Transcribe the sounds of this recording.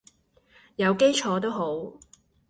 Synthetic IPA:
jɐ˨˧wke˥jt͡ʃʰɔː˨˧t̪̬o˥wɦo˨˥w

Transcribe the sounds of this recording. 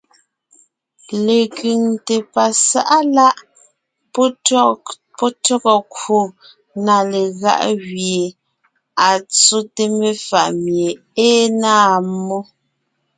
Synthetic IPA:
le˨kɥy˨ŋte˨pa˨sa˦ʔa˦la˦ʔ | pɔ˦tɔ˦kɔ˨kwo˨ | na˨le˨ɣa̰˦ʔɣje˨ | a˨t͡so˦te˦me˦fa˨ʔmje˨ | eː˦na˦˨mɔ˦

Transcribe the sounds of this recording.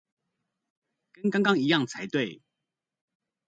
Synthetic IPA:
kə˦nkɑ˥ŋkɑ˥ŋi˨˦jɑ˥˨ŋt͡sʰa˧˦ɪt̪we˥˨ɪ

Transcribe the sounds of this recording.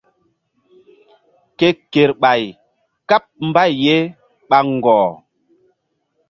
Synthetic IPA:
ke˨ke˨ɾɓa˨j | ka˦p̚m̩˦ba˦jːe˦ | ɓa˨ŋ̩˨ɡɔː˨

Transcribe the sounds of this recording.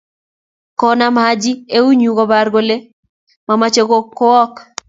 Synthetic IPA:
kɔ˨na˦mad͡ʒi˦e˦u˦ɲu˨kɔ˦ba˨rɡo˦le˦ | ma˨mat͡ʃe˦ko˦kːo˦ɔ˦k

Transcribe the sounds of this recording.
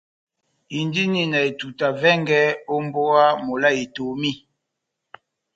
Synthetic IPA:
i˨ndi˦ni˦na˨e˨tu˨ta˨vɛ˦ŋɡɛ˦o˦mbo˦a˦mo˨la˦e˨to˨mi˦

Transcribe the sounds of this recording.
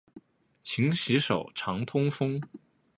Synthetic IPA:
t͡ɕʰi˧˥ŋɕi˧˥ʂo˨˩ʊʈ͡ʂʰɑ˧˥ŋt̪ʰʊ˥ŋfɤ˥ŋ

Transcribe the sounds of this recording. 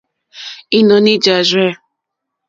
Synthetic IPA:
i˦nɔ˨nɪ˦d͡ʒa˨zɛ˦˨

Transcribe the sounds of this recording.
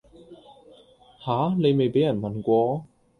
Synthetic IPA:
haː˨˥˦ne˨˧jme˨jpe˨˥jɐ˨˩nmɐ˨nkʷɔː˧

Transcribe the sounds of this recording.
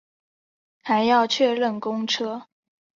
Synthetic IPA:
xa˧˥ɪjɑ˥˧ʊt͡ɕʰɥɛ˥˧lə˥˩nkʊ˥ŋʈ͡ʂʰɤ˥

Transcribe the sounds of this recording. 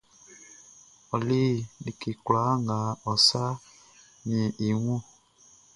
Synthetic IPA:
ɔ˨li˦˨di˨ki˨kwla˨˦ŋɡa˨ɔ˨sa˦ | ɲĩ˨i˨ŋu˦

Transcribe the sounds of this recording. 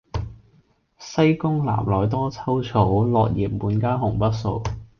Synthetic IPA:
sɐ˥jkʊ˥ŋla̰ː˨˩mlɔː˨˩jt̪̬ɔː˥t͡sʰɐ˥wt͡sʰo˨˥wlɔː˨k̚jiː˨p̚muː˨˥nkaː˥ɦʊ˨˩ŋpɐ˥t̚so˨˧w

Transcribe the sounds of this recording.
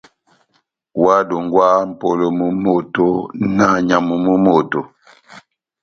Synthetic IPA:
wa˦do˨ŋɡwa˦m̩˨po˨lo˨mu˨mo˨to˦na˦˨ɲa˨mu˨mu˦mo˦˨to˨

